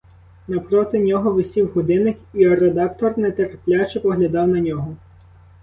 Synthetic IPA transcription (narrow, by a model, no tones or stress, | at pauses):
nɐpɾɔt̪ɪnʲɔɦɔʋɪsʲiwɦʊd̪ɪnɪkiɔred̪ɑkt̪ɔrnɛt̪erpʲlʲat͡ʃepɔɦlʲɐd̪ɑwnɐnʲɔɦɔ